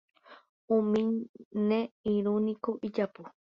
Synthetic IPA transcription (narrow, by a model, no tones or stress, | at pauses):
ũmĩɲnẽiɾũnĩkoʔid͡ʒapu